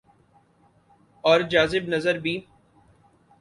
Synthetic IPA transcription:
ɔːɾd͡ʒaːzɪbnɐzəɾbʱiː

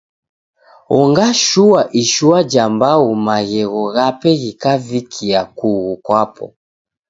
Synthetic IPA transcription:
ɔŋɡaʃuaʔiʃuad͡ʒambaumaɣɛɣɔɣapɛɣikavikʰiakuɣukwapɔ̰

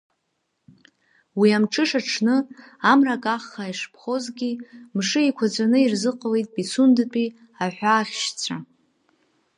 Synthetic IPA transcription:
wiamʈ͡ʂʰʼɨʂaʈ͡ʂʰnɨ | amrakʼaχːaiʂpʰχo̞zɡʲimʂɨikʷʰad͡zʷanɨirzɨqʼalejtʼbisundɨpʼi | aħʷᶣaːχʲʃt͡sʷʰa

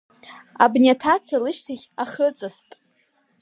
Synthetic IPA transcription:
a̰bnʲiatʰat͡sʰalɨʃtʰaχʲaχət͡sʼastʼ

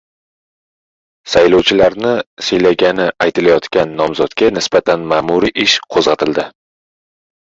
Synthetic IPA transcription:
sajlɒwt͡ʃʰɪlaɾnɪsejlaɡʲanɪʔajt̪ʰɪlajɒt̪kʲanːɒmzɒt̪kʲanɪsbat̪ʰanmaːmuɾiʔɪʃqʰozʁɑt̪ʰɪld̪ɪ

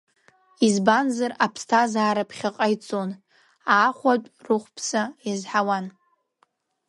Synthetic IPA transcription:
izbanzarapʰstʰazaːɾapʰχʲaqʼajt͡sʼon | aːχʷat͡pʷʼrɨχʷpʰsajazħawan

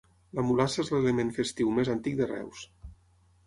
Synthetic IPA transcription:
ləmulasəezlelemẽɱfest̪iwmezant̪ik̚d̪ərɛ̰ws

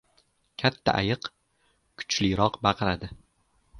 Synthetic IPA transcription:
kʲʰat̪ʰːa̰ʔa̰jɨq | kʰʊ̥t͡ʃlɪɾɒqbɑqɨɾad̪ɪ

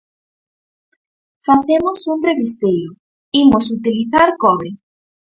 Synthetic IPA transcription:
faθemosunreβist̪ejo | imosut̪iliθaɾkɔβe

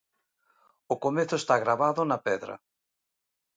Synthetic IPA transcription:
okomeθʊest̪aɣɾaβaðʊnapɛðɾɐ̰

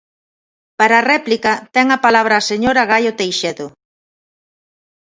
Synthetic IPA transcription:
paɾaːrɛplikɐt̪ɛŋɐpalaβ̞ɾaːseɲoɾaɣ̞ajot̪ejʃeðʊ

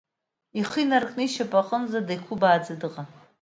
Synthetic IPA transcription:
iχinarkʼnɨʃapʼaqʼənzadajkʷʰubaːd͡zadɨqʼa

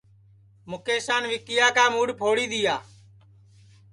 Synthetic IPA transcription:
mʊkeːsaːnʋɪk̚kɪjaːkaːmuːɽpʰoːɽiːd̪ɪjaː

